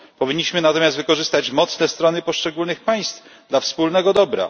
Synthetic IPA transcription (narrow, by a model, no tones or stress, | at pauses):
pɔvʲiɲːiɕmɘnat̪ɔmʲjast̪vɘkɔʐɘst̪at͡ɕmɔt̪snɛst̪ɾɔnɘpɔʂt͡ʂɛɡulnɘxpaj̃st̪vd̪lafspulnɛɡɔd̪ɔbɾa̰